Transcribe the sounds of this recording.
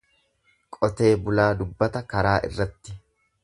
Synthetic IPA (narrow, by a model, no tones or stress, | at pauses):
kʼɔt̪e̞ːbʊlaːd̪ʊbːɐt̪ɐkɐɾaːʔɪ̰rːɐt̪ːɪ